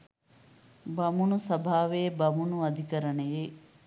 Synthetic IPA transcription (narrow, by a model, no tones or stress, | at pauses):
bɐmunusɐbʱaːʋeːbɐmunuɐd̪ʱikɐɾɐɳeje